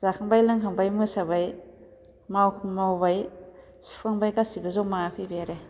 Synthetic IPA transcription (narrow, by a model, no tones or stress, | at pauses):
zakʰaŋbajlɯŋɦʰaŋbajmɯsabaj | mawmawbaj | su̥kʰaŋbajkasibazɔmaapʰijbejaɾe